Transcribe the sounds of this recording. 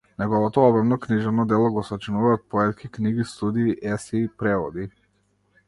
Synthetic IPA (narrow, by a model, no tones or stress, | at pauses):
nɛɡɔvɔt̪ɔɔbɾamnɔkniʒɛvnɔd̪ɛlˠɔɡɔsat͡ʃinuvaːt̪̚pɔɛt̪kʲʰikniɡist̪ud̪iːʔɛsiːpɾɛvɔd̪i